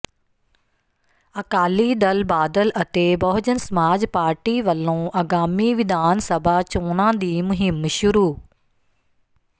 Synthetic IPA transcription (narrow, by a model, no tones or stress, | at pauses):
ɐkaːlid̪ɐlbaːd̪əlɐt̪ebɐɦʊd͡ʑənsɐmaːd͡ʑpaːɾʈiʋɐlõːʔɐɡaːmiʋɪd̪aːnsɐbʱat͡ɕõːnãːd̪iːmʊɦɪmːʃʊɾuː